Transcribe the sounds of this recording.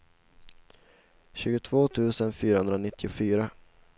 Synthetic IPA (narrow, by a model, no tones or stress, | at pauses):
ɕʉ̟ːɡʊt̪ʰv̥oːt̪ʰʉ̟ːsənfyːɾahɵnd̪ɾanɪt̪ːɪʊfyːɾa